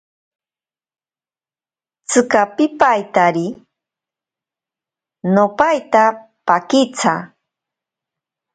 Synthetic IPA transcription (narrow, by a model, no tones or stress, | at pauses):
t͡sɨkapɪpajt̪aɾi | nopajt̪a | pakɪt͡sʰa̰